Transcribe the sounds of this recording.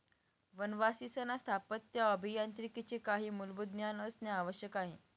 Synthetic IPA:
ʋənʋasisənast̪ʰapət̪ːjaəbʱijant̪ɾikit͡ɕekaɦiːmulbud̪njanəsnjaːʋəɕjəkaɦe

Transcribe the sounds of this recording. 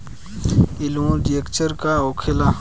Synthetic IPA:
ɪlõɖiekt͡ʃəɾkaoːkʰɪla

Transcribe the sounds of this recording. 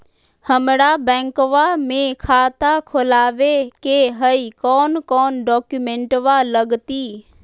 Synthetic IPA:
həmɽabɛ̃ːŋkʋamẽkʰaːt̪akʰolaːʋekeɦəikɔːnkɔːnɖɔːkjumẽɳʈʋaləɡt̪iː

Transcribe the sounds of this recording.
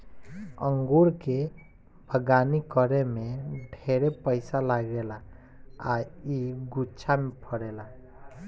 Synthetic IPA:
əŋɡuɾke | bʱəɡanikəɾemeɖʱeɾepəɪsalaɡela | a̰iɡut͡ʃʰamepʰəɾela

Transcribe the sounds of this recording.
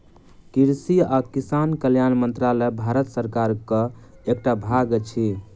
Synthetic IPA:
kiɾsiakisankəljanmənt̪ɾalɛbʱaɾət̪səɾkaɾkə | ek̚ʈabʱaɡet͡ʃʰi

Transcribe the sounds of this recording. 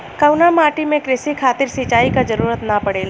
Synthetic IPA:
kɐwnamaːʈimẽkɾɪsikʰaːt̪ɪɾsit͡ʃaːikad͡ʒɐɾuːɾət̪napɐɽeːlː

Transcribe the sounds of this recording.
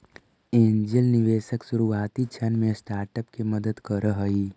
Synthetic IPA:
eːnd͡ʒəlniʋeːʃəksuɾuaːt̪it͡ʃʰənmẽsʈaːɾʈəpkeməd̪əd̪kəɾəɦəi

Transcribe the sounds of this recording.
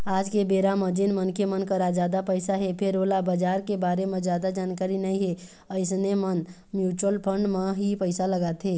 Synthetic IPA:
aːd͡ʒkebeɾaməd͡ʒinmənkemənkəɾad͡ʒad̪apəɪsaɦepʰeɾolabəd͡ʒaːɾkebaɾemẽd͡ʒjad̪ad͡ʒankaɾinəĩɦe | əɪsnemən | mjuːt͡ʃəlpʰə̃ɳɖmeɦipəɪsaləɡat̪ɦe

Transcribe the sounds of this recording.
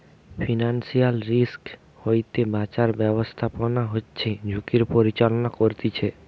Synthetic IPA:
fʰinansijalɾisk | hojt̪ebat͡ɕaɾbɛbost̪ʰaponaɦotːɕʰed͡ʑʱukiɾpoɾit͡ɕalonakoɾt̪it͡ɕʰe

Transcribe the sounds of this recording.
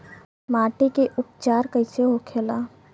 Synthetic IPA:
maːʈikeʔʊp̚t͡ʃaːɾkəɪseɦokʰelaː

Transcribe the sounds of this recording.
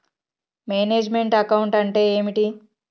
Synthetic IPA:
meːneːd͡ʒme̞ɳʈɐkɐwuɳʈɐɳʈe̞ːeːmiʈi

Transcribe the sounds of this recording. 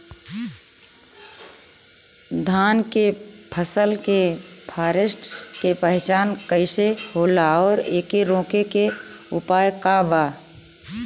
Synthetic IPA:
d̪ʱaːnke | pʰəsəlkepʰaːɾɪsʈkepəɦt͡ʃaːnkəɪsehoːlaɔːɾeːkiɾõːkeke | ʊ̰paːjkabaː

